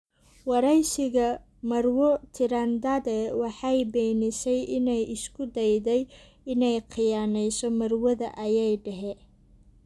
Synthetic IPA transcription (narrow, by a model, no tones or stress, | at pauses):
wɑɾɛjʃɪɣɐ | mɐrwɔt̪ʰɪɾɐnd̪ɐðɛwɑħɑjbɛːnɪsɛjʔɪnɛjʔɪskʰʊd̪ɛjðɛj | ɪnɛjqʰɪjaːnɛjsɔmɐrwɐðɐ̰ʔɐjɛjɖɛɦɛ